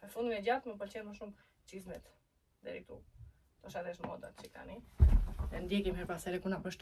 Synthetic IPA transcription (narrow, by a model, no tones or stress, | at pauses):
pəɾfund̪imɛd͡ʑat̪məp̬əɾt͡ɕɛɾməʃum | t͡ɕizmɛt̪ | d̪ɛ̰ɾḭt̪u | t̪ɔʃad̪ɛʃmɔ̰d̪a̰t̪t͡ʃika̰ni | ðɛnd̪jɛkimɦɛɾpasɛɾɛkunapəʃt̪